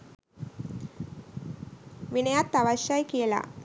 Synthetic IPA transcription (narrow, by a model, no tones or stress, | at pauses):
ʋinɐjat̪ːɐʋɐɕajkijɐla̰